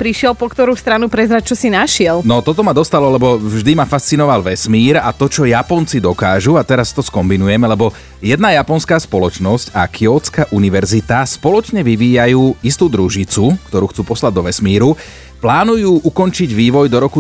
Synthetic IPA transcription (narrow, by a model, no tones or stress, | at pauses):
pɾiʃɪɛlpɔkt̪ɔɾuːst̪ɾanupɾɛzɾat͡ʃɔsinaʃɪɛlnɔt̪ɔt̪ɔmad̪ɔst̪alɔlɛbɔvʒd̪imafast͡sinɔʋalʋɛsmiːɾat̪ɔt͡ʃɔjapɔnt͡sid̪ɔkaːʒuat̪ɛɾast̪ɔskɔmbinujɛmɛlɛbɔ | jɛd̪najapɔnskaːspɔlɔt͡ʃnɔscakʰiɔt͡skaʔuniʋɛɾzit̪aspɔlɔt͡ʃɲɛʋiʋiːjajuːist̪uːd̪ɾuʒit͡sukt̪ɔɾuːxt͡suːpɔslaɟ̚d̪ɔʋɛsmiːɾu | plaːnujuːʔukɔnt͡ʃiɟʋiːʋɔjd̪ɔɾɔku